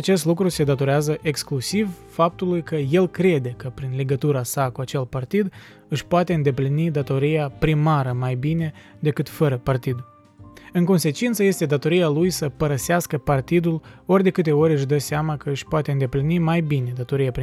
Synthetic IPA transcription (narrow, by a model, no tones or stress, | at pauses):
at͡ʃe̞st̪lukɾuse̞d̪at̪o̞ɾeazəʔe̞ksklusiv | fap̚t̪ulujkəje̞lkɾe̞d̪e̞kəpɾinle̞ɡət̪uɾasakuat͡ʃe̞lpart̪id̪ | ɨʃʲpoat̪e̞ɨnd̪e̞plinid̪at̪o̞ɾijapɾimaɾəmajbine̞d̪e̞kɨt̪fəɾəpart̪id̪ | ɨŋko̞nse̞t͡ʃint̪səje̞st̪e̞d̪at̪o̞ɾijalujsəpəɾəseaskəpart̪id̪ulo̞rʲd̪e̞kɨt̪eo̞ɾʲɨʃd̪əseamakəɨʃʲpoat̪e̞ɨnd̪e̞plinimajbine̞d̪at̪o̞ɾijapi